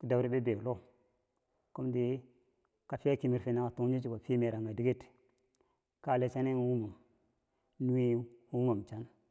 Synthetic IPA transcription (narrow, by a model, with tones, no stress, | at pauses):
ki˨da˨bɾi˦be˦be˨lo˦ | ko˦mdi˦ | ka˨fi˦a˦ki˨mi˨ɾfe˨na˨ka˨tu˦ŋ˦d͡ʒi˦t͡ʃi˦ka˨fi˦me˨ɾa˨ŋɡa˨di˦ɡe˦t | ka˦˨le˨t͡ʃa˦ne˦ŋ˦wu˦mu˨m | nu˦i˦u˦ŋo˨m˨t͡ʃa˦n